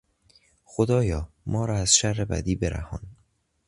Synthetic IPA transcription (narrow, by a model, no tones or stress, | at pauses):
xod̪ɒːjɒː | mɒːɾɒːæz̥ʃærːebæ̰d̪iːbeɾæ̰hɒ̰ːn